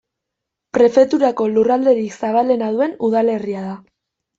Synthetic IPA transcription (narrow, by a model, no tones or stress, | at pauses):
pɾe̞fe̞t̪uɾako̞lurald̪e̞ɾiksaβ̞ale̞nað̞ue̞nuðale̞riaða